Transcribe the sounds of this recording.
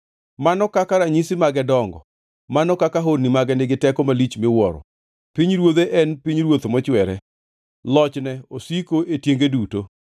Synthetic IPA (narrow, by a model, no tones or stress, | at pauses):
manɔkakaɾaɲisimaɡɛdɔŋɡɔ̰ | manɔkakaɦodnimaɡɛnɪɡɪtɛkɔmalit͡ʃmɪwɔɾɔ̰ | piɲɾwoðeʔɛnpiɲɾwot̪mɔt͡ʃwɛɾɛ | lɔt͡ʃnɛosikoetjeŋɡeduto